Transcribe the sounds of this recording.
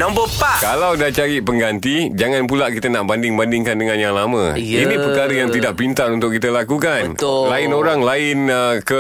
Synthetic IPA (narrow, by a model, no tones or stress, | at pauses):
nɔmbopakalawdat͡ʃaɾiʔpəŋɡant̪id͡ʒaŋanpulaʔkit̪anaʔbandɪŋbandɪŋkandəŋanjaŋlamə̃inĩpərtkaɾəjaŋt̪idaʔpint̪aɾunt̪ʊʔkːit̪əlakukanlaɪnoɾaŋlaɪnkə